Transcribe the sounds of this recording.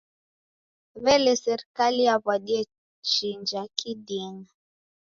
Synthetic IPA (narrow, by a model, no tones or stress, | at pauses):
βɛlɛsɛɾikalijaβwaɗiɛ | ʃind͡ʒakʰidiɛŋa